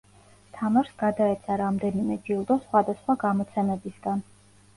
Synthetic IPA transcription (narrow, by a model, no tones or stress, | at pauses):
t̪ʰamaɾsɡ̥ad̪aɛt̪sʰaɾamd̪ɛnimɛd͡ʒilˠd̪ɔsχwad̪asχwaɡamɔt̪sʰɛmɛbisɡ̥an